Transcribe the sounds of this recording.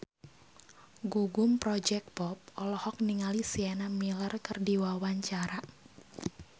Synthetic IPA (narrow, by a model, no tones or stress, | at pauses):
ɡuɡumpɾɔd͡ʒɛk̚pɔp̚ɔlɔhɔk̚niŋalisianamilərkɨrdiwawaɲt͡ʃaɾa